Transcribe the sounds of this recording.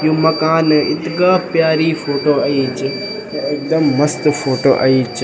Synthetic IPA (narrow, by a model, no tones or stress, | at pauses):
juːmɐkaːnɪ̰t̪ɡaːpjaːɾifoːʈoːɐit͡ʃʰɪ | neeːk̚d̪ɐmːɐst̪foːʈo̰ːʔɐ̰iːt͡ʃʰ